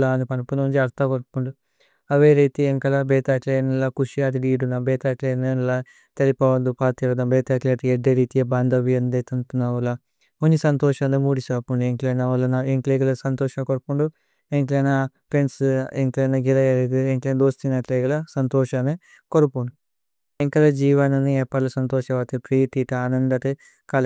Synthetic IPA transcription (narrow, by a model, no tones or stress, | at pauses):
laːnupɐnɐpunɐund͡ʒiɐɾt̪akoɾupuɳɖu | ɐʋeːɾiːt̪ieŋkɐlɐbɛːt̪aːʈleːnɐlakuʃijaːt̪iɖiːɖunabɛːt̪aːʈlenɐnla | t̪elipɐʋɐnd̪upaːt̪ijɐɾd̪ɐmbeːt̪aːʈleːt̪ieɖːeːɾiːt̪ijɐbaːnd̪ɐʋijɐnd̪eːt̪ɐnt̪unaʋula | unːisɐnt̪oːʃɐlemuːɽisaːpuɳɖueŋkleːnaʋɐlɐnaeŋkleɡɐlɐsɐnt̪oːʃɐkoɾupuɳɖu | eŋklenapɾenseŋkleːnɐɡɛlɐjeɾed̪ieŋklend̪oːst̪inaːʈleːɡɐlɐsɐnt̪oːʃɐne | koɾupuɳɖu | eŋkɐlɐd͡ʒiːʋɐnɐniepːɐlɐsɐnt̪oːʃɐʋaːt̪ipɾiːʈ̪iʈaːnɐnd̪ɐt̪e | kɐlɐ